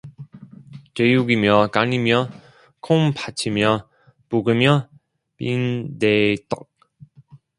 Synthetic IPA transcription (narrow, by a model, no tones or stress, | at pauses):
t͡ɕejuɡimjʌkaɲimjʌ | kʰoŋpʰat͡ɕʰimjʌ | puɡɯmjʌ | pindet͈ʌ̰k̚